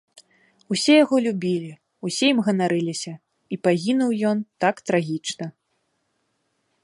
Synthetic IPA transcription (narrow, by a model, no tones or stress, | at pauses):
usʲɛjaɣɔlʲubʲilʲi | usʲɛjimɣɐnaɾɨlʲisʲɐ | ipaɣʲinuwjɔnt̪akt̪ɾaɣʲit͡ʂnɐ